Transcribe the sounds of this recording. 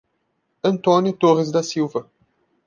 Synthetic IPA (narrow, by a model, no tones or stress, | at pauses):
ɐ̃nt̪ɔnjit̪oʁizd̪ɐsiwvɐ